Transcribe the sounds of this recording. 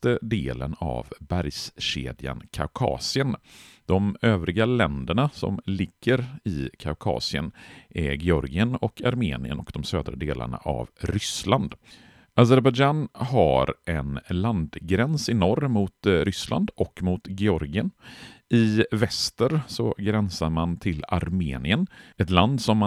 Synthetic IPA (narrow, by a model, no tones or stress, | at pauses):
t̪əd̪eːlə̰na̰vbæɾjsɕḛːd̪ja̰nkʰaʊkʰɑ̰ːsɪənd̪̥ɔmøːvɾɪɡalɛnd̪əɳasɔ̰mlɪɡːəɾɪkʰaʊkʰɑ̰ːsɪənʔɛɡɛɔɾɡɪənɔkʰaɾmeːnɪə̰nɔkd̪̥ɔmsøːd̪ɾad̪eːla̰ɳaʔavɾʏsland̪ | ʔazɛɾbad͡ʒanɦa̰ɾʔɛnland̪ɡɾɛnsɪnɔɾmʊt̪ɾʏslʔa̰nd̪ɔkːmʊt̪ɡɛɔɾɡɪənɪvɛst̪əɾsɔɡɾɛnsaɾmant̪ʰɪlaɾmeːnɪənɛt̪land̪sɔmːa